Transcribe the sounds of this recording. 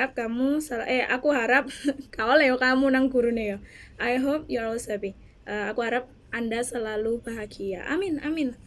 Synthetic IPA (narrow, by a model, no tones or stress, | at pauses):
ap̚kamusəla̰ʔɛa̰kuɦaɾap̚kaolejokamunaŋɡuɾunajoʔajɦop̚juaɔsabi | ʔəakuɦaɾap̚ | andasəlalubaɦaɡia̰ʔa̰mɪna̰mɪn